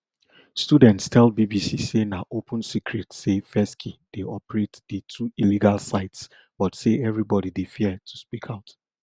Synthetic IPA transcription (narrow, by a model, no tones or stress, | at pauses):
studɛ̃ntstʰɛlbibisisenaʔopʰə̃nsikʰɹɛtsefɛskʰid̥eɔpəɹetdətʰuiliɡalsaɪts | b̥ɔtseɛvɹibɔdidefiətʰu̥spikʰaʊt